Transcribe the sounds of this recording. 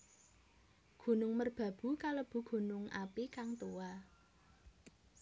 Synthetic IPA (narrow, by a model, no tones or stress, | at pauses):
ɡ̥ṳnʊŋmərb̥ä̤b̥ṳkaləb̥ṳɡ̥ṳnʊŋa̰pikaŋt̪ua